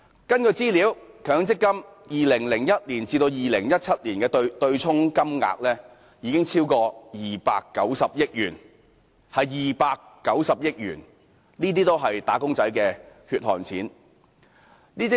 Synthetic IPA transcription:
kɐ˥nkɔː˧t͡siː˥liː˨˥wkʰœː˨˥ŋt͡sɪ˥kːɐ˥mjiː˨lɪ˨˩ŋlɪ˨˩ŋjɐ˥t̚liː˨˩nt͡siː˧t̪o˧wjiː˨lɪ˨˩ŋjɐ˥t̚t͡sʰɐ˥t̚liː˨˩nkɛː˧t̪t̪ɵ˧ɥt͡sʰʊ˥ŋkɐ˥mŋa̰ː˧k̚lɛː˥ | jiː˨˧kɪ˥ŋt͡sʰiː˥wkɔː˧jiː˨pa̰ː˧kːɐ˨˥wsɐ˨p̚jɪ˥k̚jyː˨˩n | hɐ˨jːiː˨paː˧kːɐ˨˥wsɐ˨p̚jɪ˥k̚jy̰ː˨˩n | niː˥t̪̬iː˥t̪o˥wɦɐ˨jt̪aː˨˥kʊ˥ŋt͡sɐ˨˥jkɛː˧hyː˧t̚hɔ̰ː˨˩ŋt͡sʰiː˨˥n | niː˥t̪i˥

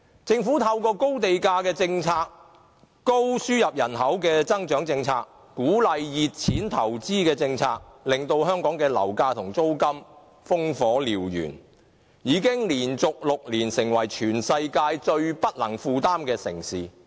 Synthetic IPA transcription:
t͡sɪ˧ŋfuː˨˥t̪ʰɐ˧wkɔː˧ko˥wt̪e˨jkaː˧kɛː˧t͡sɪ˧ŋt͡sʰaː˧k̚ː | o˥wsyː˥jɐ˨p̚jɐ˨˩nɦɐ˨˥wkɛː˧t͡sɐ˥ŋt͡ʃœː˨˥ŋt͡sɪ˧ŋt͡sʰa̰ː˧k̚ | kːuː˨˥lɐ˨jjiː˨t̚t͡sʰiː˨˥nt̪ʰɐ˨˩wt͡siː˥kɛː˧t͡sɪ˧ŋt͡sʰaː˧k̚lɪ˨ŋt̪o˧whœː˥ŋkɔː˨˥ŋkɛː˧lɐ̰˨˩wkaː˧t̪ʰʊ˨˩ŋt͡so˥wkɐ˥m | fʊ˥ŋfɔː˨˥liː˨wjy̰ː˨˩n | jiː˨˧kɪ˥ŋliː˨˩nt͡sʊ˨k̚lʊ˨k̚liː˨˩nsɪ˨˩ŋwɐ˨˩jt͡ʃʰyː˨˩nsɐ˧jkaː˧jt͡ʃɵ˧ɥpɐ˥t̚lɐ˨˩ŋfuː˨˧t̪aː˥mkɛː˧sɪ̰˨˩ŋsiː˨

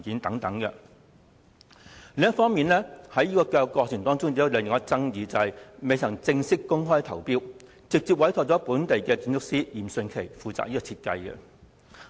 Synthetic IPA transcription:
kiː˨˥nt̪ɐ˨˥ŋt̪ɐ˨˥ŋkɛ˧ | lɪ˧ŋɐ˥tfɔː˥ŋmiː˨nlɛː˥hɐ˨˥jiː˥kɔː˧kaː˧kɔː˧k̚t͡sʰɪ˨˩ŋt̪ɔː˥ŋt͡sʊ˥ŋt̪iː˨˥jɐ˨˧wlɪ˨˧ŋjŋ˦˥t͡sɐ˥ŋjiː˨˧t͡sɐ˨˧whɐ˨jme˨˧jt̪ʰɐ˨˩ŋt͡sɪ˧ŋsɪ˥kːʊ˥ŋɦɔː˥jt̪ʰɐ˨˩wpiː˥w | t͡sɪ˨k̚t͡siː˨p̚wɐ˨˥jt̪ʰɔː˧k̚t͡sɔː˨˥puː˨˥nt̪e˨jkɛː˧kiː˧nt͡sʊ˥k̚siː˥jiː˨˩msɵ˧nkʰe˨˩jfuː˨˧t͡sa̰ː˨k̚jiː˥kɔ˧t͡sʰi˧t̚kɐ̰˧jkɛ̰˧

